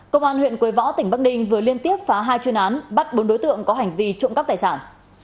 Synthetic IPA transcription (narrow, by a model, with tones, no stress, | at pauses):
kə˧wŋ͡mʔaː˧nhwḭ˧˨nkwi˨˦jvɔ̰˧˥t̪ï˧˩ŋ̟ɓa˦˥k̚ɗï˧ŋ̟vɨ˨˩əli˧ənt̪i˦˥əp̚faː˨˦ɦaː˧jt͡ɕɨ˧əŋʔaː˨˦nɓa˦˥t̚ɓo˨˦nɗo˨˦jt̪ɨ̰˧˨əŋkɔ˨˦ɦa˨˩jŋ̟vi˧t͡ɕʊ̰˧˨ŋ͡mka˦˥t̪aː˨˩jsaː˧˩n